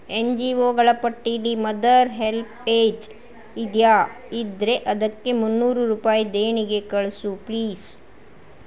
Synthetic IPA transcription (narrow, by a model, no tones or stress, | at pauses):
end͡ʒiːoːɡɐɭɐpɐʈːiɽimɐd̪ɐɾɦelpeːd͡ʒ | id̪jaː | id̪ɾe̞ʔɐd̪ɐkːe̞munːuːɾuɾuːpaːjid̪eːɳiɡe̞kɐɭsupliːs